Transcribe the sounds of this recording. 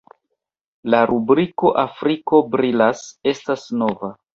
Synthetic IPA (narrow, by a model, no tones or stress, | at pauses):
laɾʔubɾiko̞ʔafɾiko̞bɾilase̞stasno̞va